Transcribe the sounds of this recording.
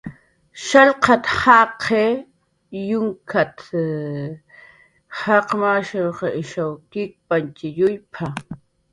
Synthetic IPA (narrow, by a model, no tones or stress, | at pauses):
ʃaʎqɑt̪hɑqʰe | jʊŋkʰat̪ | hɑqmaʃawqɑʔɪʃawkɪk̚pant͡ʃɪjʊjpʰa